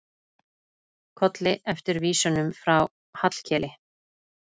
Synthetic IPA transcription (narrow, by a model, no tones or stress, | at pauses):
kʰɔt̪lɪʔɛft̪ɪɾviːsʏnʏmfɾaw | hat̪l̥cʰɛːlɪ